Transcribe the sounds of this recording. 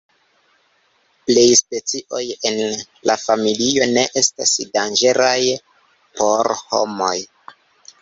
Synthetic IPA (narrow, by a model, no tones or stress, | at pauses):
ple̞jspe̞t͡siʔo̞je̞n | lafamilio̞ne̞ʔe̞stasdand͡ʒe̞ɾaj | po̞ɾho̞̰mo̞j